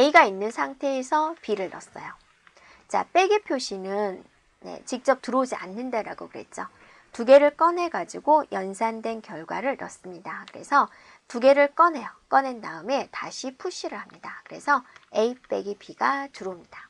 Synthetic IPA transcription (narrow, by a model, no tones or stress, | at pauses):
e̞iɡainːɯnsʰaŋtʰe̞ːsʰʌpiɾɯɭnʌs͈ʌjo | t͡ɕa̰p͈e̞ɡipʰjoɕʰinɯn | ne̞̰t͡ɕik̚t͡ɕ͈ʌp̚tɯɾod͡ʑia̰nːɯndeɾaɡokɯɾe̞̰t̚t͡ɕ͈o | tuɡe̞ɾɯɭk͈ʌnɦe̞ɡad͡ʑiɡojʌnsʰandwe̞nkjʌɭɡwaɾɯɭnʌs͈ɯmɲidakɯɾe̞̰sʰʌ | tuɡe̞ɾɯɭk͈ʌnɦe̞jʌk͈ʌnendaɯme̞taɕʰipʰuɕ͈ʰiɾɯɭhamɲidakɯɾe̞sʰʌeip͈e̞ɡipʰiɡatuɾomɲid̥a